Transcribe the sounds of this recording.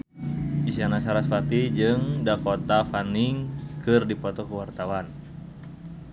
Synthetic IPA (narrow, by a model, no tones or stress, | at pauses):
isianasaɾasfat̪id͡ʒɨŋdakɔt̪afaniŋkɨrdipɔt̪ɔkuwart̪awan